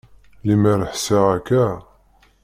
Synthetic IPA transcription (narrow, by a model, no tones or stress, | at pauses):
limæɾəħsaækːæ